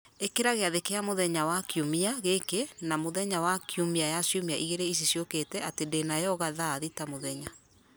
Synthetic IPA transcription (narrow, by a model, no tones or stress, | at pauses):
ekeɾaɣeaðekeamoðɛɲawakjomiaɣekenamoðɛɲawakʰjomiajasjomiaʔiɣeɾeis̬isjoketɛʔatedenajɔɣaðaːðitamoðɛɲa